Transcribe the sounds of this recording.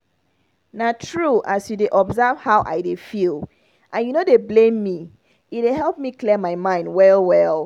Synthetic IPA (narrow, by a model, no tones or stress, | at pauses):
natʰɹuʔasjudeʔɔbzavhaʊʔa̰ɪdefil | ʔãnjunodeblẽmːi | it̚deɦɛlˠp̚miklimaɪmãɪ̃ndwɛlˠwɛlˠ